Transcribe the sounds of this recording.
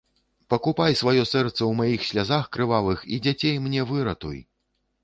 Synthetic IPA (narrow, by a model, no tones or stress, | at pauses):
pɐkupajsvajɔsɛrt̪sɐwmajixsʲlʲazaxkɾɨvalˠɨxid͡zʲat͡sʲejmnʲɛvɨɾɐt̪ṵj